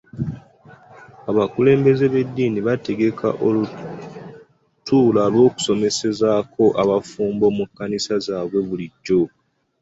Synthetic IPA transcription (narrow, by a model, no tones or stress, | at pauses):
aβakule̞ːmbe̞ze̞βe̞dːiːniβate̞ɡe̞kʰa̰ʔolu | tuːlalwo̞ːku̥so̞me̞se̞zaːkʰo̞ʔaβafuːmbo̞mukːanisazaːβwe̞βuliɟːo̞